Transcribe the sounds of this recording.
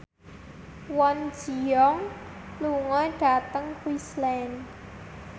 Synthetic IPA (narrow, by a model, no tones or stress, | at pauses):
wɔn̥d͡ʒʒ̥iɔŋluŋɔɖ̥a̤t̪əŋkwislɛn